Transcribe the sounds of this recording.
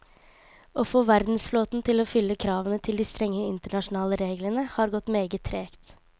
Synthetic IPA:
ʔofoːʋæɾd̪n̩sfloːt̪n̩t̪ʰɪloːfʏlːəkʰɾɑːʋənət̪ʰɪld̪iːst̪ɾɛŋːəɪnt̪əɳɑʂʊn̩ɑːləɾeːɡlənəhɑːɾɡɔt̪ːmeːɡət̪ʰɾeːkt̪

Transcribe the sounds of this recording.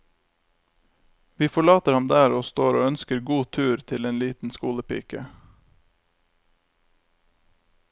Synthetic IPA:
ʋiːfɔɭɑːt̪əɾhɑmd̪æːɾoːst̪oːɾo̰ːœnskəɾɡuːt̪ʰʉːɾt̪ʰɪleːnliːt̪n̩skuːləpḭːkə

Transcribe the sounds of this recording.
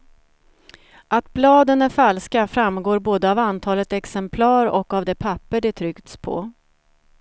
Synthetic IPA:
ʔat̪blɑːd̪ənæɾfalskafɾamːɡoːɾboːd̪əavant̪ʰɑːlət̪ɛksɛmpʰlɑːɾɔkːavd̪ɛpʰapːəɖɛt̪ʰɾʏkt̪spʰɔ̰

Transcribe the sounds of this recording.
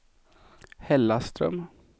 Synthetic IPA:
hɛlːast̪ɾœ̰m

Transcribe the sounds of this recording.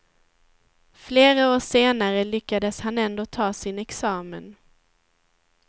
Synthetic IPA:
fleːɾaoːʂeːnaɾəlʏkːad̪əshanɛnd̪oːt̪ʰɑːsɪnɛksɑːmən

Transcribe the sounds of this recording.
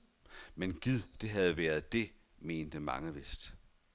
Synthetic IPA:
menɡ̥ið̰ˠd̥e̝ɦæð̞ˠʋæːɐð̞ˠd̥e̝ | me̝̰ːnd̥əmɑ̈ŋəʋe̝sd̥

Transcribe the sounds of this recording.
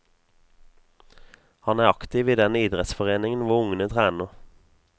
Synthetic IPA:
hɑnæːʁɑkt̪ɪʋiːd̪ɛniːd̪ʁɛt̪sfɔʁeːnɪŋən̩ʋʊʊŋənət̪ʰʁæːnəʁ

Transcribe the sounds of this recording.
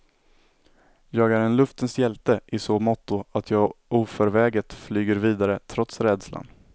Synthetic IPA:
jɑːɡæɾɛnlɵft̪ənsjɛlt̪əʔɪsomɔt̪ːʊat̪ʰjɑːɡʔuːfœɾvɛːɡət̪flyːɡəɾviːd̪aɾət̪ʰɾɔt̪sɾɛd̪sla̰n

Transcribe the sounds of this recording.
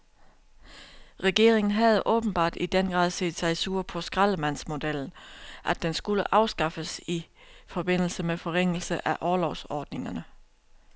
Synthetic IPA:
ʁɛɡ̥e̝̰ɐ̰eŋn̩ɦæð̞̩ˠəʔɔ̽ːb̥n̩b̥ɑ̰̈ːd̥id̥enɡ̥ʁɑ̰ðˠsḛːd̥sɑ̈ɪsuɐ̰pʰɒ̽sɡ̥ʁɑləmæn̰smo̝d̥el̰n̩ʔæd̥ensɡ̥uləʔɑ̈ʊsɡ̥ɑ̈fəsifɒ̽b̥e̝n̰l̩səmefɒ̽ʁeŋ̰l̩səʔæʔɒːlɒʊsɒːd̥ne̝ŋɐnə

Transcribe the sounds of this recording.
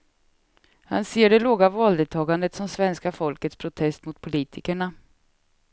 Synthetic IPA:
ha̰nseːɖɛloːɡavɑːld̪ɛt̪ʰɑːɡand̪ət̪sɔmsvɛnskafɔlkət̪spʰɾʊt̪ʰɛst̪mʊt̪̚pʰʊliːt̪ʰɪkəɳa

